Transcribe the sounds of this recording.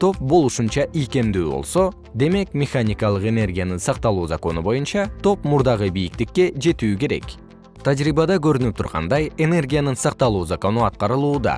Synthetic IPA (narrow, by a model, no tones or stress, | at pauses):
t̪ʰo̞p̚bo̞lˠuʃunt͡ʃɑʔijke̞md̪yːbo̞̰lˠso̞ | d̪e̞me̞kmʲeχanʲikɑlˠɯqe̞ne̞rɡʲijanɯnsɑq̚t̪ɑlˠuːzako̞nubo̞junt͡ʃɑt̪ʰo̞pmuɾd̪ɑʁɯbijik̚t̪ikːe̞d͡ʒe̞t̪yːke̞ɾe̞̰k | t̪ʰad͡ʒɾibɑd̪ɑkøɾynyp̚t̪ʰuɾʁɑ̰nd̪ɑje̞ne̞rɡʲijanɯnsɑq̚t̪ɑlˠuːzako̞nuɑt̪̚qɑɾɯlˠuːd̪ɑ̰